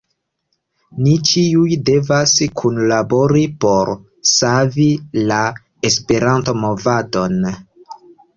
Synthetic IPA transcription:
nit͡ʃiujde̞vaskʰunlabo̞ɾipo̞ɾ | savila | espe̞ɾanto̞mo̞vado̞n

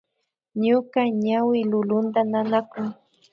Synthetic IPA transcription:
ɲʊkaɲawɪlʊlʊnt̪ananakʊŋ

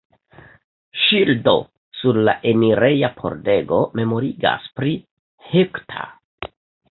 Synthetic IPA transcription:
ʃildo̞̰ | suɾlaʔe̞miɾe̞japʰo̞̰ɾde̞ɡo̞me̞mo̞ɾiɡa̰spɾi | hektʰa̰

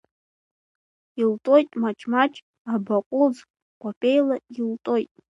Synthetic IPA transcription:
iltʼo̞jtʼmat͡ʃʰʼmat͡ʃʰʼ | abaqʷʼuz | qʷʰʼapʼejlailtʼo̞jtʼ

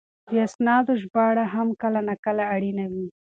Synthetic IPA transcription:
d̪əasnɑd̪oʒbɑɽaɦamkəlanakəlaːɽinawi

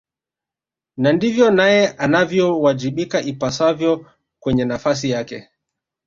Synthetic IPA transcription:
nandivjɔnajɛʔanavjɔwad͡ʒiɓikaʔipasavjɔ | kwɛɲɛnafas̬ijakɛ̰

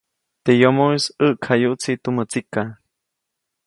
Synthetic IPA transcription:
t̪ejomoisəʔkʰajuʔt͡sʰit̪umət͡sika

